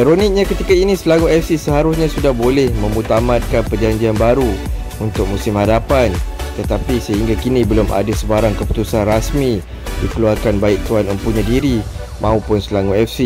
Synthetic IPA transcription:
iɾonɪk̚ɲãkət̪ikainĩsəlaŋuɛfsisəɦaɾʊsɲãsudahbolɛhmə̃mut̪amat̪̚kanpərd͡ʒaɲd͡ʒianbaɾu | unt̪ʊk̚mũsɪmhadapant̪ət̪apisəɦiŋɡakinibəlʊmʔa̰dəsəbaɾaŋkəpu̥t̪usanrasmi | dikəluarkanbaɪk̚t̪uanəmpuɲadiɾi | mʔãupʊnsəlaŋuɛfsi

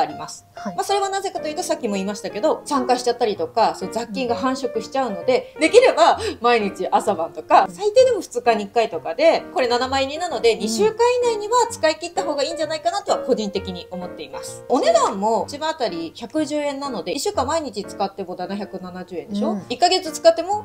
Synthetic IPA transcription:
aɾʲimasɨ̥maso̞ɾe̞βanaze̞kat̪o̞jɯ̟t̪o̞sakʲːimo̞iːmaɕi̥t̪ake̞d̪o̞sãŋkaɕi̥t͡ɕat̪ːaɾʲit̪o̞kasood͡zakʲːĩŋɡaɦãɰ̃ɕo̞kɯ̟ɕi̥t͡ɕaɯ̟no̞d̪e̞d̪e̞kʲiɾe̞bamaiɲ̟it͡ɕiʔasabãnt̪o̞kasait̪e̞ːd̪e̞mo̞ɸɯ̟̥t͡sɨkaɲ̟ikːait̪o̞kad̪e̞ko̞ɾe̞nanamaiɲ̟ĩnːano̞d̪e̞ɲ̟iɕɨːkãɰ̃inaiɲ̟iβat͡sɨ̥kait̪eit̪ːaɦo̞ːɡaiːɲ̟d͡ʑanaikanat̪o̞βako̞ʑĩnt̪e̞kʲiɲ̟io̞mo̞t̪ːe̞ima̰sɨ̥one̞d̪ãmːo̞t͡ɕimãːt̪aɾʲiçakɯ̟ʑɨːẽ̞nːano̞d̪e̞iɕːɨːkãmːaiɲ̟it͡ɕit͡sɨ̥kat̪ːe̞mo̞d̪anaçakɯ̟nanaʑɨ̟ːend̪e̞ɕo̞ikːaɡe̞t͡sɨt͡sɨ̥kat̪ːe̞mo̞

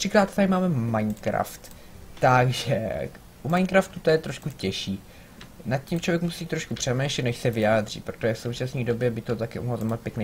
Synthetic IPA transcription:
t̪r̥ɪkɾaːt̪zajmaːmɛmajnkɾa̰ft̪ː | aɡʒɛ | ʔumajnkɾaft̪ut̪ojɛt̪ɾo̞ʃkucɛʃiː | nat̪̚cimt͡ʃlovjɛkmusiːt̪ɾo̞ʃkupr̥ɛmɛːʃɛt̪nɛʃsɛvɪjaːd̪r̝̥ḭpɾot̪oʒɛfso̞wt͡ʃasnɲiːdo̞bjɛbɪt̪ot̪akɪʔṵmozamapjɛknɛj

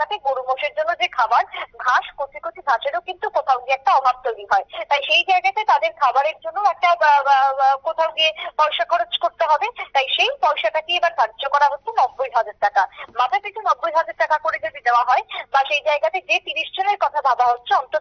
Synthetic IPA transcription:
at̪eɡoɽuboʃeɾd͡ʑonːod͡ʑekʰabaɾɡʱaʃkot̪ʰikot̪ʰibʱaʃeɾokint̪ukot̪ʰawɡiɛk̚ʈaɔbʱab̚t̪ojɾiɦɔet̪ajʃejd͡ʑaeɡat̪et̪ad̪eɾkʰabaɾeɾd͡ʑonːoɛk̚ʈa | kot̪ʰawɡiepɔjʃakʰɔɾod͡ʑkoɾt̪eɦɔbet̪ajʃejpɔjʃakaʈiebaɾkaɾd͡ʑokɔɾaɦotːɕʰenɔbːojɦad͡ʑaɾʈakamat̪ʰakit͡ɕʰunɔbːojɦad͡ʑaɾʈakakoɾed͡ʑod̪id̪eoaɦɔebaʃejd͡ʑaeɡat̪ed͡ʑet̪iniʃd͡ʑoneɾkɔt̪ʰabʱabaɦotːɕʰeɔnt̪o

